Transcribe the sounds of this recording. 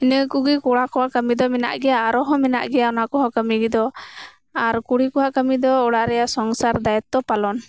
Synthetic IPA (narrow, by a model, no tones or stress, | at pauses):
inəkuɡikɔɽakɔwaʔkəmid̪ɔmɛna̰ʔɡɛjaːɾɔɦɔ̃mɛna̰ʔɡɛjaɔnakɔɦɔ̃kəmiɡɛd̪ɔ | aɾkuɽikɔwaʔkəmid̪ɔɔɽaɾɛjasɔŋsaɾd̪ajɛt̪ːɔpalɔn